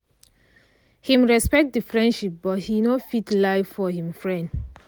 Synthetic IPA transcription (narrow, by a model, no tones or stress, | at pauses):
hĩmɹɛspɛk̚t̚dəfɹɛ̃nʃip̚bɔt̚hinofitlaɪfɔhĩmfɹɛ̃nd